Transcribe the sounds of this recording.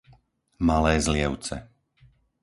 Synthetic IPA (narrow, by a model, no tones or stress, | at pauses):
malɛːzlɪɛʊt͡sɛ̰